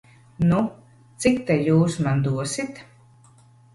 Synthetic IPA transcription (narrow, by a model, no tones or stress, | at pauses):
nu | t̪sikt̪ɛjuːsmand̪uɔsit̪